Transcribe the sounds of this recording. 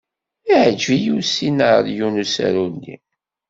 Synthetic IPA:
iʕəd͡ʒvijusinəɾjunusæ̰ɾunːḭ

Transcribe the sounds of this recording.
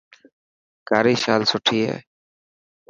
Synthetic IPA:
kaɾiʃalsoʈʰijḛ

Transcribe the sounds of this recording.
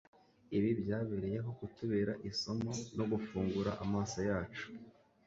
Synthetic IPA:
iβibjaːβiɾije̞ɦo̞kutuβeːɾaʔiso̞mono̞ɡufuːŋɡuɾaʔamaːsajaːt͡ʃu̥

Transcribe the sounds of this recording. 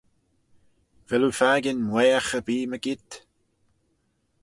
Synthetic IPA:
vɛlufaːɡɪnmwɛːaxəbiːməɡɪt̪

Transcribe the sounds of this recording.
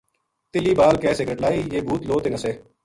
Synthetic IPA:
t̪ɪliːbaːlkɛːsekeʈlaːiːjeːbʱuːt̪loːt̪enəseː

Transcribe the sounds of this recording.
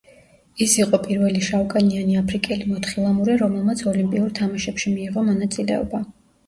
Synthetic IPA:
isiqʼɔpʼiɾvɛliʃawkʼanianiapʰɾikʼɛlimɔt̪χilˠamuɾɛɾɔmɛlˠmat̪sʰɔlimpʼiuɾt̪ʰamaʃɛpʃimiːʁɔmɔnat̪sʼilɛ̰ɔ̰ba

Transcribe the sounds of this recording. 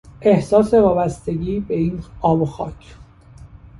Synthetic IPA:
e̞hsɒːse̞vɒːbæst̪e̞ɡiːbe̞iːnɒːboxɒ̰ːcʰ

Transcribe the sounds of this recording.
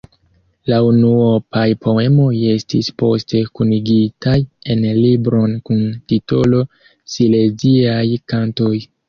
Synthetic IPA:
launuopajpʰo̞e̞mo̞je̞stispo̞stʰe̞kuniɡitʰaje̞nlibɾo̞nkuntito̞lo̞ | sile̞ziajkanto̞j

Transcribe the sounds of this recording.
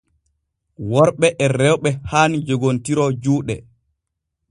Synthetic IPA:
wɔɾɓɛʔɛrɛwɓɛhand͡ʒoɡontiɾɔd͡ʒuːɗɛ̰

